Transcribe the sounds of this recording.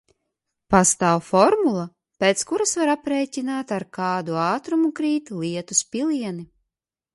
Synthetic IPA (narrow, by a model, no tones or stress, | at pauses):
past̪aːwfɔɾmulˠa | pʲeːt̪skuɾasvaɾapɾeːcʲinaːt̪aɾkɑːd̪uaːt̪ɾumukɾiːt̪lˠiɛt̪uspʲilˠiɛni